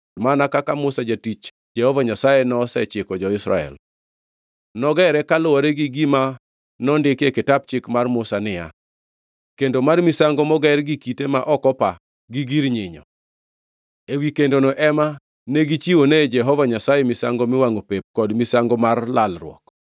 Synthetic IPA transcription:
manakakamʊsad͡ʒatit͡ʃ | d͡ʒɛhɔvaɲasajenɔsɛ̰t͡ʃɪkɔd͡ʒɔɪsɾa̰ɛ̰l | nɔɡɛɾɛkalʊwɔɾeɡɪɡima | nɔndɪkekɪtap̚t͡ʃɪkmarmʊsanɪja̰ | kendomarmisaŋɡɔmɔɡɛrɡikitemaʔɔkɔpa | ɡiɡiɾɲɪɲɔ̰ | ewikendonoʔɛma | neɡit͡ʃiwoned͡ʒɛɦɔvaɲasajemɪsa̰ŋɡomɪwaŋopep̚kɔdmisaŋɡɔmarlalrw̰ɔ̰k

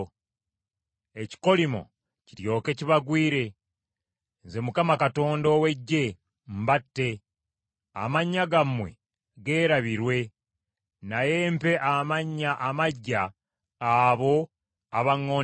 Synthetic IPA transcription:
eci̥ko̞limo̞̰ | ciɾjo̞ːke̞ciβaɡwiːɾe̞ | nze̞mukamakato̞ːndowe̞ɟːe̞ | m̩batːe̞ | a̰maɲːaɡamwe̞̰ | ɡe̞ːɾaβiɾwe̞ | najempe̞ʔamaɲːaʔamaɟːaː | βo̞ | aβaŋːo

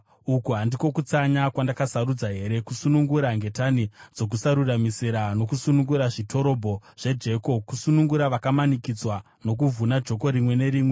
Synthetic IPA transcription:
ukuɦandiko̞kut͡saɲakwandakasaɾud͡zaɦe̞ɾe̞kusunuŋɡuɾaŋɡe̞tanid͡zo̞k̬usaɾuramisiɾano̞kusunuŋɡuɾaʐitʰo̞ɾo̞bʱo̞ʐ̥e̞d͡ʒe̞ko̞kusunuŋɡuɾaʋakamanikid͡zwa | no̞k̬uvʱunad͡ʒʱo̞k̬o̞ɾimwe̞ne̞ɾiːmwe̞

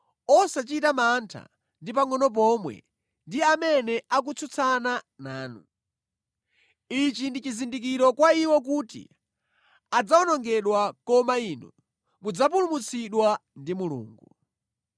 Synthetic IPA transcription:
ɔsat͡ʃitamantʰa̰ | ndipaŋɔnɔp̬ɔmwɛ̰ | ndiamɛnɛʔak̬ut͡sʰut͡sʰana | naːnṵ | it͡ʃindit͡ʃizindik̬iɾɔkwaiwɔk̬utḭ | ad͡zaɔnɔŋɡɛɗwakɔmainɔ | mud͡zapulumut͡sʰiɗwandimulṵːŋɡu

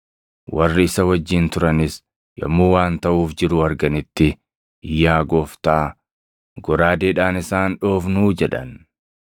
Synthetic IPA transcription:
wɐrːɪɪsɐwɐd͡ʒːɪnt̪ʊɾɐnɪs | jɐ̰mːuːwaːnt̪ɐʔuːfd͡ʒɪɾʊɐɾɡɐnɪt̪ːɪ | ɪjːaːɡoːft̪aː | ɡɔɾaːd̪eːᶑaːnɪsaːnᶑoːfnuːd͡ʒɛᶑɐ̰n

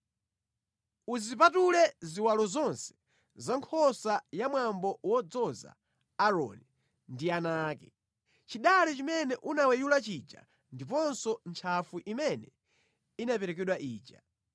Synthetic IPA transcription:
uzip̬atulɛziwalɔzɔnsɛ̥ | zaŋkʰɔsajamwambɔwɔd͡zɔza̰ː | ɾɔ̰ni | ndianaːkɛ | t͡ʃiɗalɛt͡ʃimɛnɛʔunawɛjulat͡ʃit͡ʃa̰ | ndip̬ɔnsɔnt͡ʃʰafuʔimɛnɛ | inapɛɾɛkɛɗwaʔiːt͡ʃa

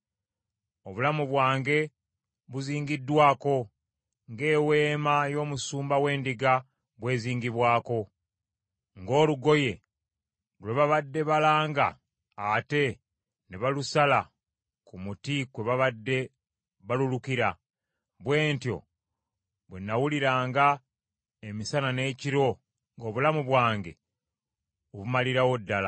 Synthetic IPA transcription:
oβulamuβwaːŋɡe̞ | βuziːŋɡidːwaːko̞ | ŋɡe̞ːwe̞ːmajo̞ːmusuːmbawe̞ːndiɡa | βwe̞ːziːŋɡiβwaːko̞ | ŋɡo̞ːluɡo̞je̞ | lwe̞βaβadːe̞βalaːŋɡa̰ː | te̞ | neβalusala | kumutikwe̞βaβadːe̞ | βalulukiɾa | βwe̞ːntjo̞̰ | βwenːawuliɾaːŋɡa | emisanane̞ːciɾo̞ | ŋɡo̞ːβulamuβwaːŋɡe̞ | oβumaliɾawo̞dːala

